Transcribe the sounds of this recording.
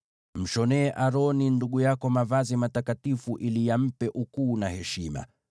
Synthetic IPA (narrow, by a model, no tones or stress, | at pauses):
m̩ʃɔnɛːʔaɾɔninduɠujakɔmavazimatakatifuʔilijam̩pɛʔukuːnahɛʃima̰